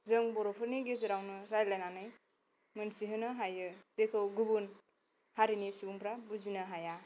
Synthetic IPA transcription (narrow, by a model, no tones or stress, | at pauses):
zɯŋbɔɾɔpʰɯɾniɡezɯɾawnɯɾajlajnanɯj | mɯnsiɦɯnɯɦajɯz̥ekʰɯwɡubun | haɾinisubuŋpʰɾabuzinɯɦaja